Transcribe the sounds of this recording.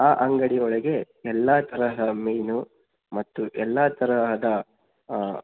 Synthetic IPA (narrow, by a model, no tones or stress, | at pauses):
aːʔɐŋɡɐɽiɔɭɐɡe̞ | ɛlːɐt̪ʰɐɾɐɦɐd̪ɐmeːnu | mɐt̪ːuʔɛlːɐt̪ɐɾɐɦɐd̪ɐ